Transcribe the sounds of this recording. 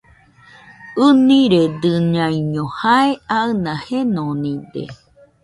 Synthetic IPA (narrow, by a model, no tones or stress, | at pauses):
ɯnĩɾed̪ɨɲãĩɲõhaeaɨnãhenõnĩd̪ḛ